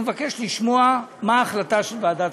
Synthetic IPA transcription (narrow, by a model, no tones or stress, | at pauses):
evake̞ʃliʃmo̞amaːχlataʃelvaːdat